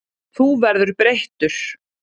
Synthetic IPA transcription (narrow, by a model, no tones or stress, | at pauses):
θuvɛɾðʏɾpɾejht̪ʏɾ̥